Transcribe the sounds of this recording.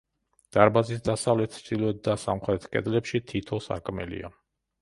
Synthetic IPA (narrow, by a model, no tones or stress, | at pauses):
d̪̥aɾbazis̬d̪asavlɛt̪ʰsd̪ilɔɛt̪̚d̪asamχɾɛt̪ʰkʼɛ̰d̪lɛpʃit̪ʰit̪ʰɔsa̰ɾkʼmɛ̰lḭa̰